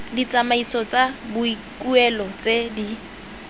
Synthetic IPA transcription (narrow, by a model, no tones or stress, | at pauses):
dit͡sʼamaisɔt͡sʼabʊi | kʼuɛlɔt͡sedi